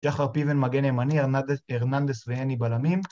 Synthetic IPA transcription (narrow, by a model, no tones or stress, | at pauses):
ʃaχaʁpivenmaɡenemanieʁnand̪esveenibalamim